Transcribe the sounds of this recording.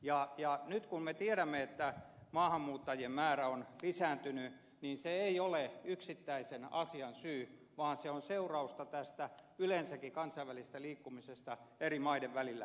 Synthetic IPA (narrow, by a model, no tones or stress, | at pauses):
jɑjɑnyt̪kummet̪ieɾæmːeet̪ːæmɑːhɑmːuːt̪ːɑjiemmæːræonlisæːnt̪yny | niːnseeioleyksit̪ːæisenɑsiɑnsyː | ʋɑːnseonseurɑust̪ɑt̪æst̪æylensækːikɑnsɑiʋælisest̪æliːkːumisest̪ɑerimɑideʋʋælilːæ̰